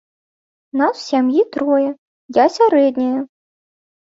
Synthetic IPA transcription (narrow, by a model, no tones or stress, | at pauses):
naswsʲamjit̪ɾɔjɛ | jasʲaɾɛd̪ʲnʲɐjɐ